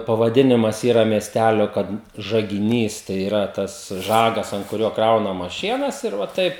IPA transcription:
pɐʋɐˈdʲɪnʲɪmɐs ˈiːrɐ mʲiɛsʲˈtʲælʲoː ˈkɐt ʒɐɡʲɪˈnʲiːs tɐɪ iːˈrɐ tɐs ˈʒɑːɡɐs ɐnt kʊˈrʲoː ˈkrɐʊnɐmɐs ˈʃʲiɛnɐs ɪr ʋɐ ˈtɐɪp

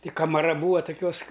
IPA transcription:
tʲɪ kɐmɐˈrɐ ˈbuːɐ toːˈkʲuɔs

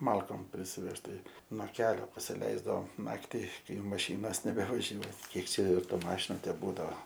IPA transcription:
ˈmɐlˠkoːm pʲrʲɪsʲɪˈʋʲɛʃt tɐɪ noː ˈkʲæːlʲoː pɐsʲɪˈlʲɛɪzdɐʋoːm ˈnɑːktʲɪ ˈkɐɪ jɛʊ mɐˈʃʲiːnoːs nʲɛbʲɛʋɐˈʒʲuɔj ˈkʲiɛk ˈt͡ʃʲɛ ˈjɛʊ ˈtuː ˈmɑːʃʲɪnʊ tʲɛˈbuːdɐoː

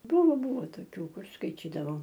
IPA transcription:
ˈbʊʋoː ˈbʊʋoː toːˈkʲuː ˈkʊr skɐɪˈtʲiːdɐʋɐʊ

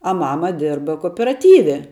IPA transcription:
ɐ ˈmɑːmɐ ˈdʲɪrbɐ koːoːpʲɛrɐˈtʲiːʋʲɛ

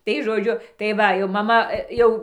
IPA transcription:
tɐɪ ʒoːˈd͡ʒʲʊ tɐɪ ˈʋɐ jɛʊ mɐˈmɐ ˈjɛʊ

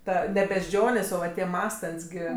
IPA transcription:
ˈtɐ nʲɛ bʲɛʃ d͡ʒʲoːnʲeːs oː ˈʋɐ tʲiɛ ˈmɑːstɐnʲtʲsʲ ɡʲɪ

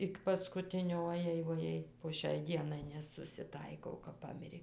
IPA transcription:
ˈɪk pɐskʊˈtʲɪnʲoː oːˈjɛɪ ʋoːˈjɛɪ poː ˈʃʲɛɪ ˈdʲiɛnɐɪ nʲɛsʊsʲɪˈtɐɪkɐʊ kɐp ˈpɑːmʲɪrʲeː

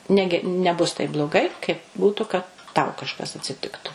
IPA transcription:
ˈnʲæːɡʲɪ nʲɛˈbʊs tɐɪp blˠoːˈɡɐɪ kɐɪp ˈbuːtʊ kɐt tɐʊ kɐʃˈkɐs ɐtʲsʲɪˈtʲɪktʊ

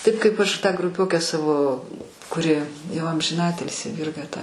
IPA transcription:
ˈtɐɪp kɐɪp ˈɐʃ ˈtɑː ɡrʊˈpʲoːkʲæː ˈsɑːʋoː kʊˈrʲɪ jɛʊ ɐmʲʒʲɪˈnɑːtʲɪlʲsʲɪ ˈʋʲɪrɡɐ tɐ

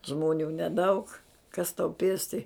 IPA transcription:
ˈʒmoːnʲuː nʲɛˈdɐʊk kɐs tɐʊ ˈpʲeːsʲtʲɪ

